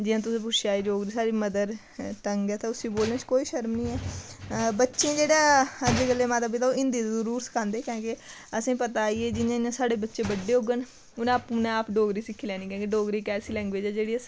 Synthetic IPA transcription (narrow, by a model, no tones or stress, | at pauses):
d͡ʒɪjãːt̪ʊsĩːp̬ʊʃaːiːɖoːɡɾiːsaːɾiːməd̪əɾ | ʈəŋɡɛːt̪aʊsĩboːlnẽːt͡ʃkoːiːʃəɾmnĩːɛː | bətːʃẽːd͡ʒeːɽaːəd͡ʒeːɡəlːeːmãːt̪əbiːt̪aːɪ̃nd̪iːd̪zəɾuːɾsə̥kʰãːnd̪eːkẽːke | əsĩːpət̪aːieːd͡ʒɪnãːɪnãːsaːɽeːbətːʃẽːbəɖeːɦʊɡən | ʊñːpnẽːaːpɖoːɡɾiːsɪkʰːiːlɛːniːkẽːkeɖoːɡɾiːkɛːsiːlɛ̃ːŋɡʋeːd͡ʒɛːd͡ʒeːɽiːəs